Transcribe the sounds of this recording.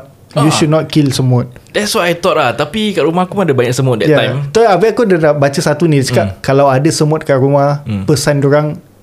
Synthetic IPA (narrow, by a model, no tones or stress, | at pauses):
juʃud̚nɔt̪̚kilsəmʊt̪̚dɛtswajajt̪ɔʔ̚laht̪apikaʔɾumakumadəbaɲaʔk̚səmʊt̪̚dɛ̰tjaãjmt̪ɔabɛʔkudədap̚bat͡ʃəsat̪unĩdəsəkaʔkalawadəsəmʊt̪̚kaʔɾumahpəsandoɾaŋ